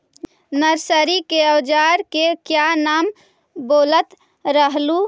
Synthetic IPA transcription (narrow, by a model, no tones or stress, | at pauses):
nəɾsəɾikeəwd͡ʒaɾkekjanaːm | boːlət̪ | ɾəɦlu